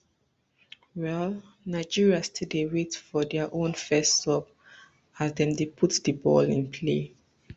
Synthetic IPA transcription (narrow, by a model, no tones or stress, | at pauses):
wɛl | naɪd͡ʒiɹiastidewetfɔdɛaʔõnfɛstːɔp | azdɛ̃mdepʰutdəbɔ̰lĩnpʰle